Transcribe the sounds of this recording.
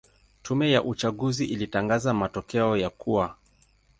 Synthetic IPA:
tʰumɛjaʔut͡ʃaɡuziʔilitaŋɡazamatɔkɛɔjakuwa

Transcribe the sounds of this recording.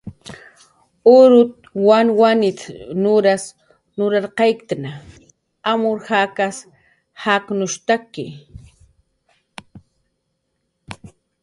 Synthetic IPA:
ʊɾʊt̪̚wanwanɪt̪nʊɾas | nʊɾaɾqɑjkɪ̥t̪ana | amʊɾhakas | haknʊʃt̪akɪ̰

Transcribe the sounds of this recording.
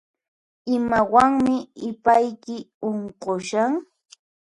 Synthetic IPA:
ɪmawaŋmɪɪpajkɪ | oɴqoʃaŋ

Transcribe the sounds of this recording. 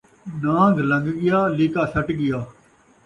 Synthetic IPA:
nãːɡʱlə̃ŋɡɡɪjaːliːkaːsəʈɡɪjaː

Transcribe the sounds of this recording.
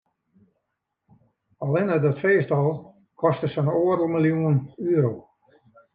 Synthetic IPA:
ɔlˠɪnədɔtfeːstɔlˠ | kʰɔstəsənoːərəlˠmilˠjunənyːəɾoː

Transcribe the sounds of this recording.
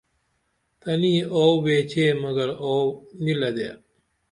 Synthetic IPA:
t̪ɐniːoːʋeːt͡ɕʰeːmɐɡɐɾoːnilɐd̪ḛː

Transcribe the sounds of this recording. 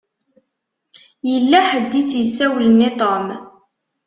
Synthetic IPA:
jəlːæħəd̪ːisjəsːæwlənːit̪ˤom

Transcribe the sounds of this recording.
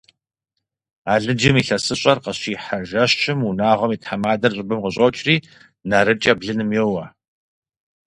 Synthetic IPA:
aːɮɨd͡ʒɪmiːɬɐsɨɕʼɐrqɐɕiːħaʒɐɕɪmunaːʁʷɐmiːtħamaːdɐrɕʼɪbɨmqəɕʼowt͡ʃʼriː | naɾɨt͡ʃʼɐbɮɨnɨmjɛwɐ

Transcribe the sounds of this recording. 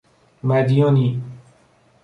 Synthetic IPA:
mæd̪ijõni

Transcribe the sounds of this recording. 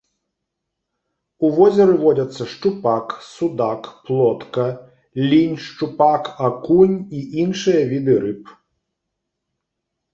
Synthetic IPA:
uʋɔzʲɛɾɨvɔd͡zʲɐt̪sːɐʂt͡ʂupaksud̪akplˠɔt̪kɐ | lʲinʲʂt͡ʂupakakunʲiʔinʂɨjɐvʲid̪ɨɾɨp

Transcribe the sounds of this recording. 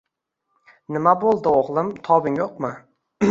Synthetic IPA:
nɪmabolˠd̪ɪoʁlˠɪmt̪ʰɒbɪŋjoqmɪ

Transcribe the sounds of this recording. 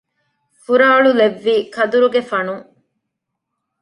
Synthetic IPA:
fuɾaːɭuleʋːiːkʰɐd̪uɾuɡefɐnu

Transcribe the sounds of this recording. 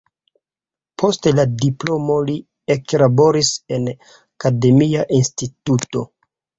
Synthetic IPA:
pʰo̞steladiplo̞mo̞li | eklabo̞ɾise̞n | akade̞miaʔinstituto̞̰

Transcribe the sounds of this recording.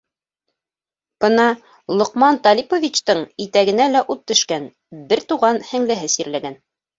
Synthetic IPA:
b̥ɤnɑ | lˠŏqmɑnt̪ɑlʲipovʲit͡ɕt̪ɤɴit̪æɡɘ̆nælæʔut̪ːɵ̆ʃkæn | bɘɾt̪uʁɑnhɘ̆ŋlɘ̆ɦɘsiɾlæɡæn

